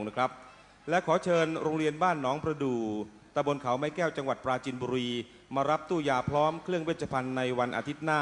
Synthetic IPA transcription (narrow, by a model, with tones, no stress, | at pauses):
ŋna˥˩kʰɾa˦˥p̚ | lɛ˦˥kʰɔː˩˦t͡ɕʰɤː˧nɾoː˧ŋɾi˧ənbaː˥˩nːɔː˦˥ŋpɾa˧duː˨˧˩ | t̪a˧bo˧nkʰa˩˦wma˦˥jkɛː˥˩wt͡ɕa˧ŋwa˨˩t̪̚pɾaː˧t͡ɕi˧nbuː˧ɾiː˧ | maː˧ɾa˦˥p̚t̪uː˥˩jaː˧˩pʰɾɔː˦˥mkʰɾɯ˥˩əŋweː˥˩t̪t͡ɕʰːa˧pʰa˧nːa˧jwa˧nʔa̰˧t̪ʰi˦˥t̪̚naː˥˩